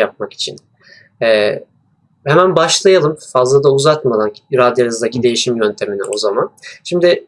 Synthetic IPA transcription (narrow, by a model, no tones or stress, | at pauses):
jap̚maki̥t͡ʃʰḭn | ɛː | hemænbaʃlˠajalˠɯmfazlˠad̪auzaɾt̪mad̪anɾad̪jalʲɯzd̪acʰid̪e̞jiʃimjønt̪ʰe̞minḭʔo̞zamanʃimd̪ɪ